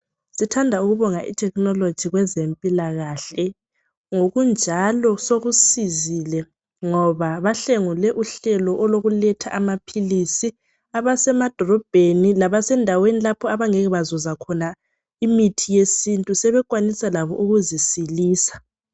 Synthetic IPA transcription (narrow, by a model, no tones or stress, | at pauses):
sitʰandʱauɣuβɔŋaʔḭtʰɛknɔlod̥ʒ̥ʱiɣwɛzempʼilaɣaɬɛ | ŋoɣund͡ʒʱalɔsoɣusizilɛ | ŋɔβaβaɬeŋulɛʔuɬɛlɔʔɔloɣulɛtʰaʔamapʰilisi | aβasɛmad̥ʱɔlɔb̥ʱenilaβasɛndʱawenilapʰɔaβaŋeɣɛβazɔzakʰɔna | imitʰijesintʼusɛβɛkʼwanisalaβɔʔuɣuzisiliːsḁ